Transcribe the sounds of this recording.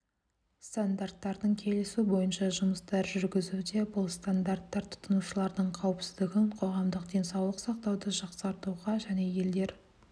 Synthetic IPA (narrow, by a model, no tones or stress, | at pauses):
st̪and̪art̪ːɑɾd̪əɴkʲʰe̞lɪsubo̞jənʃɑʒʊməst̪ɑɾʒʏɾɡʲɪzud̪e̞bʊlˠst̪and̪art̪ːɑɾt̪ʰʊ̥t̪ːənuʃəlˠɑɾd̪əɴqʰɑwɪpsɪzd̪ɪɡʲɪɴqʰo̞ʁɑmd̪əqd̪ʲe̞nsɑwlˠəqsɑq̚t̪ɑwd̪əʒɑqsɑɾt̪uʁɑʒæne̞je̞ld̪e̞ɾ